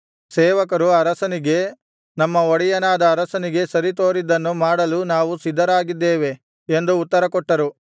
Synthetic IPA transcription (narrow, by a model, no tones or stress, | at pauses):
sɛːʋɐkɐɾuɐɾɐsɐniɡe̞ | nɐmːɐoɽijɐnaːd̪ɐːɾɐsɐniɡe̞sɐɾit̪oːɾid̪ɐnːumaːɽɐlunaːʋusid̪ʱːɐɾaːɡid̪ːeːʋe̞ | end̪uːt̪ːɐɾɐkɔʈːɐɾu